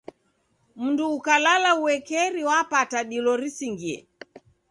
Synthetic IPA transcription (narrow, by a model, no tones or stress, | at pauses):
m̩nduːkalalauwɛkɛɾiwapataɗilɔɾisiŋɡiɛ̰